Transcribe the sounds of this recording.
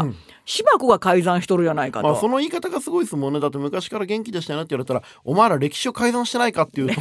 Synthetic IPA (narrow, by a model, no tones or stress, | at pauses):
ɯ̃ | ɕibakɯɡakaizãɰ̃ɕi̥t̪oɾɯ̟janaika̰tmaːoso̞no̞iːkat̪aɡasɨɡo̞isɨmõ̞nːe̞d̪at̪ːe̞mɯ̟kaɕi̥kaɾaɡẽ̞ŋkʲid̪eɕit̪ajonet̪ːeβaɾet̪aɾa | o̞maeɾaɾe̞kʲi̥ɕio̞kaizãɰ̃ɕi̥t̪e̞naikat̪ːeiɯ